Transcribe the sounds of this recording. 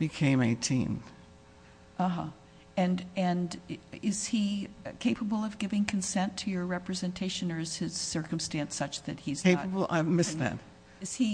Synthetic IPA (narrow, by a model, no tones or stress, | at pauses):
b̥ɨkʰẽɪ̃meɪtʰḭ̃n | ʔʌɦʌ | ɨ̃nɨ̃nɪz̥ikʰeɪpəbl̩ˠʌvɡɪvɪ̃ŋkʰn̩sɛ̃ntʰɨjə˞ɹɛpɹɨzɨ̃ntʰeɪʃɨ̃nə˞ɨz̥ɪz̥sɜ˞km̩stæ̃nsʌt͡ʃðɨt̚hizeɪpəbl̩ˠa̰ɪmɪsðæ̰t̚ | ɨz̥i